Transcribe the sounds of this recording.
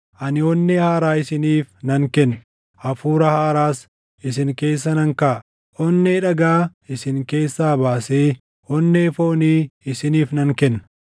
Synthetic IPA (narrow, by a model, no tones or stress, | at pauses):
ʔɐnɪɔnːehaːɾaːɪsɪniːfnɐŋkɛnː | ʔɐfuːɾɐhaːɾaːs | ɪsɪŋke̞ːsːɐnɐŋkaː | ɔnːeᶑɐɡaːɪsɪŋke̞ːsːaːbaːseː | hɔnːeːfoːniːɪsɪniːfnɐŋkɛnːɐ̥